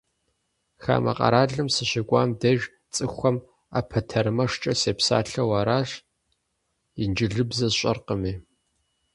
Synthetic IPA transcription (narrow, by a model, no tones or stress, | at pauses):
xa̰ːmʔɐ̰qʼɐ̰ɾaːɮɨmsɨɕɪkʷʼaːmdɐʒ | t͡sʼɨxʷɐm | a̰pʰɐtʰɐɾɨmɐʂt͡ʃʼɐseːpsa̰ːɬɐwaːɾaːɕ | ind͡ʒɪɮɨbzɐzɕʼɐ̰rqəmiː